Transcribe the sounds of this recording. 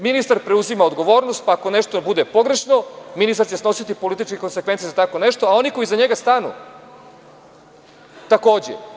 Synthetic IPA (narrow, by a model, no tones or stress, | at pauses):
minist̪aɾpɾeuzimaod̪ɡo̞ʋo̞ːɾnost̪̚paːkoneʃt̪obud̪epo̞ɡɾe̞ʂnominist̪aɾt͡ɕesno̞sit̪ipolit̪̬it͡ʃkeko̞nsekʋent̪iezat̪ako̞neʃt̪o̞ao̞niko̞izaɲeɡast̪anṵ | t̪ako̞ːd͡ʑḛ